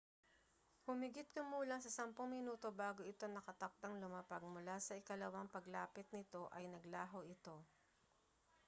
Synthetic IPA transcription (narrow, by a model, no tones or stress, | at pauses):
hʊmɪɡɪt̪̚kɐmuːlɐŋsɐsɐmpoŋmɪnuːt̪o̞baːɡo̞ʔɪt̪onɐkɐt̪ɐk̚t̪ɐŋlʊmapɐɡ̚mʊlasɐʔɪkɐlɐwaŋpɐɡla̰ːpɪt̪̚nɪt̪o̞ʔɐjnɐɡlaːɦoʔɪt̪o̞